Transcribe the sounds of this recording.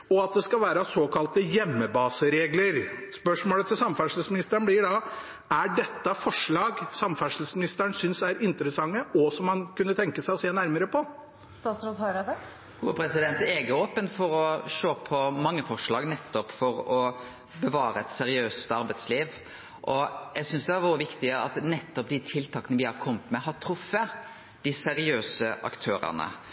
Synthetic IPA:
ɔɑt̪̚d̪ɛskɑlʋæːɾəsoːkʰɑlt̪əjɛmːəbɑːsəɾeːɡləɾspœʂmoːlət̪ʰɪlsɑmfæʂl̩smɪnɪst̪əɳblɪɖɑ | æɖɛt̪ːəfɔʂɭɑːɡsɑmfæʂl̩smɪnɪst̪əɳsʏnsæɾɪnt̪əɾəsɑŋːəʔɔsɔmhɑnkʉnːət̪ʰɛŋkəsæɪɔseːnæɾməɾəpʰɔ | st̪ɑːt̪sɾot̪ʰøɾəd̪ə | uːəpʰɾɛsɪd̪ɛnt̪eːɡəoːpənfɔɾɔʂoːpʰɔmɑŋːəfɔʂɭɑːɡnɛt̪ːɔpfɔɾɔ | bəʋɑːɾəɛt̪sɛɾɪøːst̪ɑɾbæɪt̪sliːʋ | ʔɔjæsʏnsd̪ɛæɾʋuːəʋɪkt̪ɪəɑ̰t̪nɛt̪ːɔp̚d̪ɪt̪ʰɪlt̪ʰɑːkənəʋɪhɑɾkʰɔmːət̪mɛɦɑt̪ʰɾʊfːə | d̪̥ɪsɛɾɪøːsəʔɑ̰kt̪ʰøːɾə̰nə̰

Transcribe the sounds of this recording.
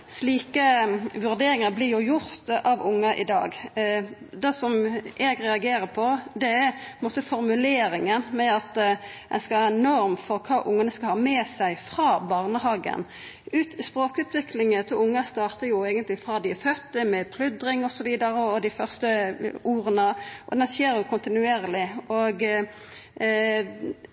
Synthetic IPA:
sliːkəʋʉɾd̪eːɾɪŋɑblɪʁjʊjʊɾt̪ɑʋʊŋːɑʔɪ̰d̪ɑ̰ːɡ | d̪ɛsɔmʔɛɡʁɛɑɡeːɾəpʰɔd̪ɛɛpʰnmoːt̪əfɔɾmʉleːɾɪŋənmɛɑt̪d̪ɛnskɑɑːnɔɾmfɔɾkʰɑːʔʊŋːənəskɑhɑːmɛːsæɪfɾɑːbɑːʁnəhɑːɡə̰n | ʉːt̪spɾoːkʉːt̪ʰʋɪklɪŋət̪ʰɪlʊŋːɑst̪ɑːɾt̪əɾjʊɛːɡənt̪lɪfʁɑːd̪ɪfœt̪ːəmɛpʰlʉd̪ɾɪŋɔsɔʋiːd̪ɑɾəɔd̪ɪfœʁst̪əuːɾənəʔɔ̰d̪ɛnseːɾjʊkʰʊnt̪ɪnʉeːɾlɪoɡ

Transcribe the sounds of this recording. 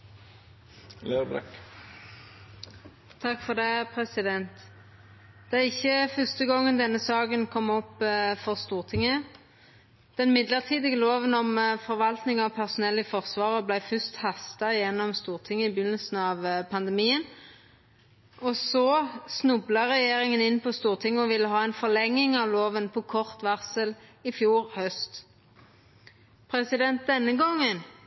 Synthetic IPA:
lebɾɛ̰k | t̪ʰɑkːfɔʁd̪eːpʰʁɛsɪd̪ɛnt̪ | d̪̥ɛæʁɪçːəfœst̪əɡɔŋːənd̪ɛnːəsɑːɡənkʰɔmːɔpːfɔʁst̪uːʁt̪ʰɪŋːə | d̪̥ɛnmɪd̪ləʁt̪ʰiːd̪ɪɡəloːʋənɔmfɔʁʋɑlt̪nɪŋɑpʰæʁsʊnɛlːəfɔʁsʋɑːʁəblæɪfʉst̪hɑst̪ɑjɛnːɔmst̪uːʁt̪ʰɪŋːəɪbɪnːəlsn̩ɑːʋpʰɑnd̪ɛmiːən | ɔsɔsnʉblɑʁɛjeːʁɪŋənɪnpʰɔst̪uːʁt̪ʰɪŋːəɔʋɪlːəɦɑːɛɪnfɔʁlɛŋːɪŋɑʋloːʋənpʰɔkʰɔʁt̪ʋɑʁsəlɪfjuːʁhœst̪ | pʰʁɛsɪd̪ɛnt̪̚d̪ɛnːəɡɔŋːən

